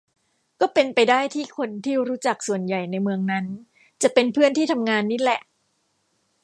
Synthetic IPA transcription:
kɔː˥˩pe˧npa˧jdaː˥˩jt̪ʰiː˥˩kʰo˧nt̪ʰiː˥˩ɾuː˦˥t͡ɕa˨˩k̚su˨˩ənja˨˩jna˧jmɯ˧əŋna˦˥n | t͡ɕa˨˩pe˧npʰɯ˥˩ənt̪ʰiː˥˩t̪ʰa˧mŋaː˧nːi˦˥lɛ˨˩ʔ

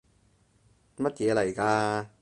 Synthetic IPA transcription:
mɐ˥t̚jɛː˨˧lɐ˨˩jkaː˧

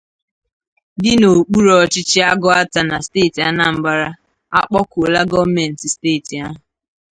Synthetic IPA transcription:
dɪ˦no˨k͡pu˦ɾɔ˨t͡ʃɪ˦t͡ʃɪ˦a˦ɡɔ˦a˦ta˨na˨steː˦˨ti˨a˦na˨m̩˨ba˦ɾa˦ | a̰˦k͡pɔ˦ko˨la˦ɡɔ˦me˨n̩˨ti˨ste˦˨ti˨a˦ɦʊ˨

